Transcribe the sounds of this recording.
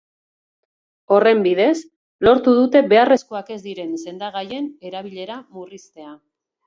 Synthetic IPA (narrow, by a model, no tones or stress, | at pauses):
o̞re̞mbiðe̞s | lo̞ɾt̪uðut̪e̞βe̞are̞sko̞ake̞zd̪iɾe̞nse̞nd̪aɣ̞aje̞ne̞ɾaβ̞iʎe̞ɾamurist̪e̞a